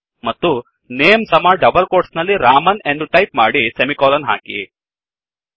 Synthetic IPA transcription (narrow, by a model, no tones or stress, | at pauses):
mɐt̪ːu | neːmsɐmaɖɐbɐlkoːɾʈsnɐlːiɾaːmɐnend̪uʈɐjpmaːɽisemikɔːlɐnɦa̰ːkḭ